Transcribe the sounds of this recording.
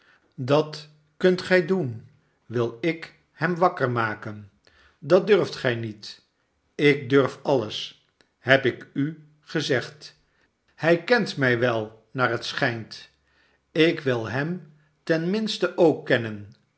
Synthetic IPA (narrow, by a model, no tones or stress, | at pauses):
dɑt | kɵntχɛjdun | ʋɪlˠɪk | hɛmʋɑkəɹmaːkən | dɑdørftχɛjnit | ɪk̚døɹfɑləs | ɦɛpɪky | χəzɛχt | hɛjkɛntmɛjʋɛlˠ | naːɹɦətsχɛjnt | ɪkʋɪlˠɦɛm | tɛnmɪnstəʔowkːɛnən